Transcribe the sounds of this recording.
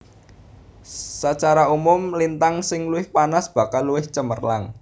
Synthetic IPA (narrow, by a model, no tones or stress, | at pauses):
sat͡ʃaɾaumʊmlint̪aŋsɪŋluɪhpanasb̥a̤kalːuwɪht͡ʃəmərlaŋ